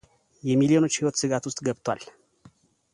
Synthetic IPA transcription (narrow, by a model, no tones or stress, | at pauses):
jɛmiljo̞not͡ʃːhiwot̪sɨɡat̪ʊst̪ʼɡəbt̪ʰwal